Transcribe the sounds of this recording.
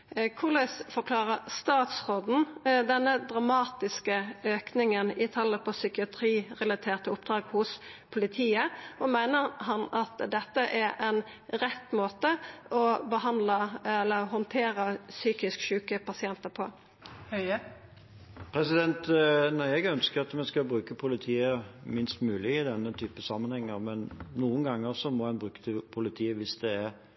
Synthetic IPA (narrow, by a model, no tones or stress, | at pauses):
kʰʊʁlɛsfɔʁkʰlɑːʁəɾst̪ɑːt̪sʁoːd̪n̩d̪ɛnːəd̪ʁɑmɑːt̪ɪskəøːknɪŋənɪt̪ʰɑlːəpʰɔsʏkɪɑt̪ʰɾiːʁɛlɑt̪ʰeːʁt̪əʊp̚d̪ʁɑːɡhʊspʰʊlɪt̪ʰiːəɔmæɪnəʁhɑnɑt̪d̪ɛt̪ːəʔæɾɛn | ɾɛt̪ːmoːt̪əɔbəɦɑnd̪ləɛlːəɾɦɔnt̪ʰeːɾəsyːkɪskʃʉːkəpʰɑsɪɛnt̪əpʰɔ | hœ | pʰɾɛsɪd̪ɛnt̪nɑɛɡœnskəɾɑt̪mɛnskɑbɾʉːkəpʰʊlɪt̪ʰiːəmɪnst̪mʉːlɪɪd̪ɛnːət̪ʰyːpəsɑmːənhɛŋːəʁmɛnnuːənɡɑŋːəsɔmɔhɛnbʁʉːkə̥t̪ʰɪlpʰʊlɪt̪ʰiːəʋɪsd̪ɛːɾ